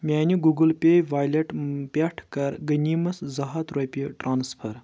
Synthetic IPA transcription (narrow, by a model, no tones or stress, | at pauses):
mʲaːnʲiɡuɡɐlpʲejʋaːjlɐʈpʲɐʈʰkɐɾɡɐnʲimɐszɐɦɐt̪ɾopʲiɐʈɾʔaːnspʰɐɾ